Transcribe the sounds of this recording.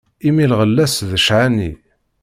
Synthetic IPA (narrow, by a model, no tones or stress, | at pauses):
imilʁəlːæsðəʃʕanḭ